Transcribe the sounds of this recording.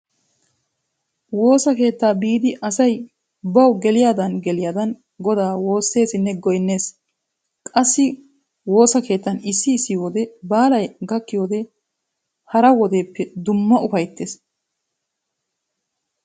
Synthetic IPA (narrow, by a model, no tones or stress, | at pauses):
wo̞ːsɐke̞ːt̪ːaːbiːd̪ɪʔɐsɐj | bɐwɡɛlɪjaːd̪ɐnɡɛlɪjaːd̪ɐn | ɡɔd̪aːwo̞ːsːe̞ːsɪnːɛɡɔjnːe̞ːs | kʼɐsːɪ | wo̞ːsɐke̞ːt̪ːɐnɪsːɪːsːɪjoːd̪ɛbaːlɐjɡɐkːɪjo̞ːd̪ɛ | hɐɾɐwɔd̪e̞ːpːɛd̪ʊmːɐʊfɐjt̪ːe̞ːs